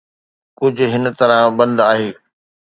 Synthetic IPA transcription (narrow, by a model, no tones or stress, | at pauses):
kʊd͡ʑʱʊ̆ɦɪn̆t̪ɐɾãbɐ̃nd̪aːɦeː